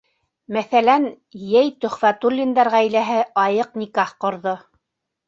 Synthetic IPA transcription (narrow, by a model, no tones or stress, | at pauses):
mæθælæn | jæjt̪ɵ̆χfæt̪ulʲːind̪ɑɾʁæjlæɦɘʔɑjɤqnikɑχqŏɾðo